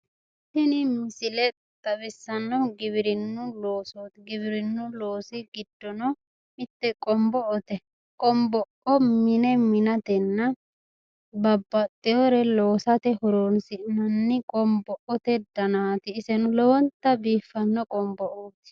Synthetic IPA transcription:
sɪnɪmɪsɪlɛ | t̪ʼɐβɪsːɐnːɔɡɪbɪɾɪnːʊloːsot̪ɡɪβɪɾɪnːʊloːsɪɡɪd̪ːɔnɔ | mɪt̪ːɛkʼɔmbɔʔɔt̪ɛ | kʼɔmbɔʔɔmɪnɛmɪnɐt̪ɛnːɐ | bɐbːɐt̪ʼːɪjɔɾɛloːsɐt̪ɛhɔɾoːnsɪʔnɐnːɪkʼɔmbɔʔɔt̪ɛd̪ɐnaːt̪ɪːsɛnʊlɔwɔnt̪ːɐbiːfːɐnːɔkʼɔmbɔʔoːt̪

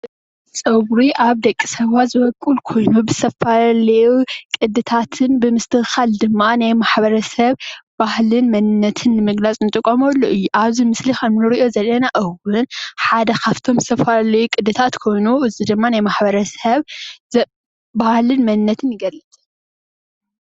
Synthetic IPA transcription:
sʼɐwɾiʔaβd̪ɐkʼːi̥sɐβazɨβɐkʼɨlkʰo̞jnubɨz̥t̪ʰɐfalɐjukʼɨd̪ːɨt̪ʰat̪ʰɨnbɨmɨst̪ʰɨhxald̪ɨmːanajmaħbɐɾɐsɐβbahlɨnmɐnɨnːɐt̪ʰɨnːɨmɨɡlat͡sʼnɨt̪ʼɨkʼːomɐlːoʔɨjːuʔaβzimɨslixɐmnɨɾiʔo̞zɐlːɐnaʔɐwɨnħad̪ɐkʰaft̪ʰo̞mzɨt̪ʰɐfalalɐjukʼɨd̪ɨt̪ʰat̪kʰo̞jnuʔɨzid̪ɨmːanajmaħbɐɾɐsɐβz | bahlɨnmɐnɨnːɐt̪ʰɨnjɨɡɐlːɨt̪ʼ

